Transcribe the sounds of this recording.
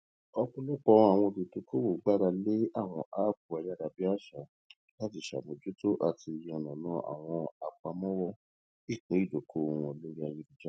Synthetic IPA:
ɔ˧kũ˧lu˦k͡pɔ˦a˨w̃ɔ̃˧du˨to˨ko˦wo˨ɡ͡ba˦ɾa˧le˦a˦˨w̃ɔ̃˧ʔa˦bu˨a˧ja˦ɾa˧bi˦a˦ʃa˨˦ | la˦ti˦˨ʃa̰˨mõ˧d͡ʒu˦to˦ʔa˧ti˧˨jɛ̃˨ɔ˨nã˨nã˨˦ʔa̰˨w̃ɔ̃˧a˨k͡pa˧mɔ̃˦wɔ˧ | i˦˨k͡pẽ˨˦i˦˨d͡ʒo˨kʰo˦˨wɔ̃˧˨lo˦ɾi˦a˧˨ji˦di˦d͡ʒa˦

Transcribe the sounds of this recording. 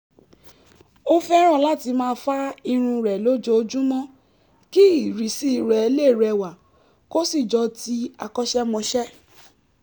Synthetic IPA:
o˦fɛ˦ɾ̃ɔ̃˦˨la˦˨ti˧mãː˦˧˦fa˦i˧ɾ̃ũ˧ɾɛ˨lo˨˦d͡ʒo˧˦o˧d͡ʒũ˦mɔ̃˦ | ki˦i˦˨ɾi˨si˦˨ɾɛ˨e˧le˦˨ɾɛ˧˨wa˨ | ko˦si˦˨d͡ʒɔ˧ti˦a˧kɔ˦ʃɛ˦mɔ̃˧ʃɛ˦

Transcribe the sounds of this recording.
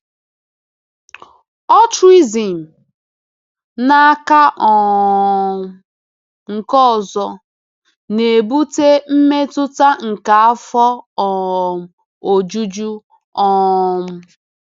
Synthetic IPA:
ɔ˦tɾi˦zi˨m̩˨ | na˦ka˦ʔɔ˨ | ŋ̩˨kɔ˦˨zɔ˨ | ne˨bu˦te˦m̩˦me˦tʊ˦ta˦ŋ̩˨ka˨a˦fɔ˦ɔ˨ | o˨d͡ʒu˦d͡ʒu˦ | ɔ˦˨m̩˦

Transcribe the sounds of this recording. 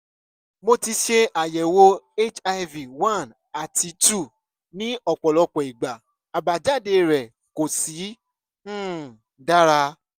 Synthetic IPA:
mo˧ti˧ʃe˧ʔa˨jɛ˨wo˦e˦t͡ʃa˧vi˨wã˦˨n | a˨ti˧˦tu˦˨ | nĩ˦ɔ˦˨k͡pɔ˨lɔ˧k͡pɔ˨i˨ɡ͡ba˨ | a˨ba˨d͡ʒa˦˨de˧ɾɛ˨ | ko˨sĩ˨˦˨ | da˦ɾa˧

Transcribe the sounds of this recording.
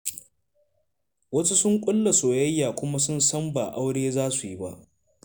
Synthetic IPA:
wɐ˦su˦sʊ˦ŋkʷʼʊ˦lːa˨soː˨jɐ˦jːaː˨kʷʊ˦ma˦sʊ˦nsɐ˦mbaː˨ʔa˦wɽeː˦zaː˦su˨ji˦ba˦ʔ

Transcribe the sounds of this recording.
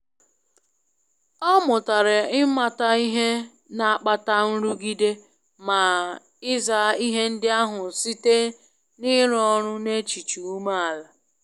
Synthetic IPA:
ɔ˦mʊ˨ta˨ɾɪ˨ɪ˦ma˦ta˦i˦ɦe˦ | na˨a˨k͡pa˦ta˦n̩˦ɾu˦ɡi˦de˦ | ma˨ | ɪ˦za˨˦i˦ɦe˦n̩˦dɪ˦a˦ɦʊ˨si˦te˦ | ni˦ɾɔ˦ɾʊ˦ne˦t͡ʃi˨t͡ʃu˨u˦ma˦a˨la˨

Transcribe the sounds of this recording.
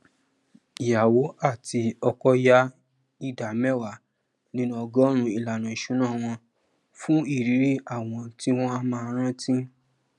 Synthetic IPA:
i˨ja˨wo˨˦a˦˨ti˧ɔ˧kɔ˦ja˦ | i˦da˨mɛ˦˨wa˨ | nĩ˧˦nũ˦ɔ˧ɡɔ˦ɾ̃ũ˧i˨la˨nã˨i˨ʃũ˨˦nãː˦˨w̃ɔ̃˧ | fũ˦i˦˨ɾi˨˦ɾi˦a˦˨w̃ɔ̃˧ti˦w̃ɔ̃˦a˦mãː˧ɾ̃ã˦tĩ˦

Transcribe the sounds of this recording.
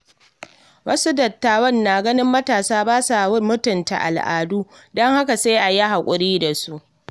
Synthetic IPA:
wɐ˦su˦dɐ˨tːaː˨wɔ˦nːaː˨ɡɐ˦nɪ˦mːɐ˦taː˨saː˦baː˦sa˨˦mʊ˦tʊ˨nta̰˨ʔa̰˨lʔa̰ː˨duː˦ | dɔ˦ŋha˦ka˨sa˦ʔa˨ja˦ɦa˨kʷʼʊ˨ɾiː˦da˨su˦ʔ

